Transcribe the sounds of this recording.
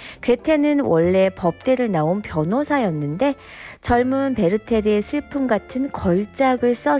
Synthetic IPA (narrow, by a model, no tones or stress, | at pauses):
kwe̞tʰe̞nɯnwʌɭːe̞pʌp̚t͈e̞ɾɯɭnaonpjʌnosʰajʌnːɯnde̞ | t͡ɕʌɭmunpe̞ɾɯtʰe̞ɾesʰɯɭpʰumɡatʰɯnkʌɭt͡ɕ͈aɡɯɭs͈ʌ